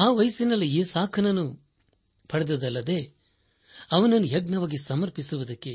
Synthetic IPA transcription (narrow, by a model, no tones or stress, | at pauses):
aːʋɐjɐsinɐlːiiːsaːkʰɐnɐnːu | pʰɐɽɐd̪ɐd̪ɐlːɐd̪e̞ː | ɐʋɐnɐnːujɐɡnɐʋaːɡisɐmɐɾpisuʋud̪ɐkːe̞